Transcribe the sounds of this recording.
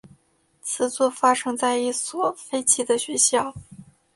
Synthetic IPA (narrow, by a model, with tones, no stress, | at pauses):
t͡sʰɹ̩˧˥t͡swɔ˥˩fa˥ʂɤ˥ŋt͡sa˥˧ɪi˥˩swɔ˨˩fe˥ɪt͡ɕʰi˧˥d̪ə˨ɕɥɛ˧˥ɕjɑ˥˩ʊ